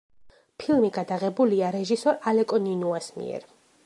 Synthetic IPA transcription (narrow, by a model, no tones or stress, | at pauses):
pʰilˠmiɡad̪aʁɛbuliaɾɛʒisɔɾalɛkʼɔninuasmḭɛ̰ɾ